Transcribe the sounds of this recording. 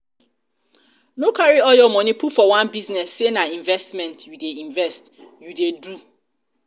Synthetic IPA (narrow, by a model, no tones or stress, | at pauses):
nokʰaɹiɔljɔmɔ̃nipʰufɔwãnbiznɛsːenaĩɱvɛstmɛ̃ntjudeĩɱvɛstjudedu